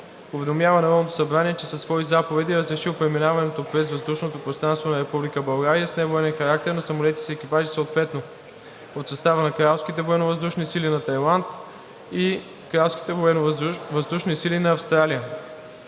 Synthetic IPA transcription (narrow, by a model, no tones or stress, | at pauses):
ʊvɛd̪omjavənɐɾɔnot̪o̥sɐbɾaniɛt͡ʃɛsɐsvɔizapovɛd̪iɾəzɾɛʃilˠpɾɛminavɐnɛt̪opɾɛzvɐzd̪uʃnot̪opɾost̪ɾanst̪vonɐɾɛpublikəbɐlˠɡaɾijəsnɛvoɛnɛnxɐɾak̚t̪ɛɾnɐsɐmolɛt̪i̥sɛɛk̟ipaʒisəot̪vɛt̪no | pot̪sɐst̪avənɐkɾalˠsk̟it̪ɛvoɛnovɐzd̪uʃnisilinɐt̪ɐjlˠant̪ | i | kɾalˠfskʲi̥t̪ɛvoɛnvɐzd̪uʃnisilinɐːfst̪ɾalijə